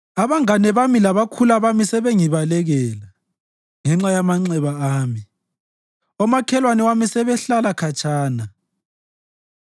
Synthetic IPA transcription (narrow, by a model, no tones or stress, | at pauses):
aβaŋanɛβamilaβakʰulaβamisɛβeŋiβalɛɣɛla | ŋɛŋ͡ǁajamaŋ͡ǀɛβaaːmi | ɔmakʰɛlwanɛwamisɛβɛɬalakʰat͡ʃʰʼaːna